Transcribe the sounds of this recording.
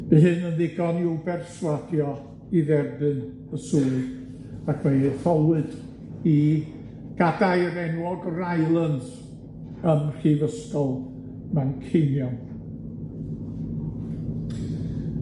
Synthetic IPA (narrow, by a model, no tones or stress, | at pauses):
əhɨnənðɪɡɔniubɛrswadjɔ | iðɛrbɨn | əsuːd | akʰmeθɔwɨd̥ | i | ɡ̥adajɾɛnwɔɡrajlˠənð | əmr̥ivəskɔlˠ | mankʰenjɔn